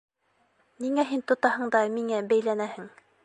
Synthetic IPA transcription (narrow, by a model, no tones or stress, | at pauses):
niŋæɦint̪ŏt̪ɑɦɤ̆ɴd̪ɑmiŋæbæjlænæhɘŋ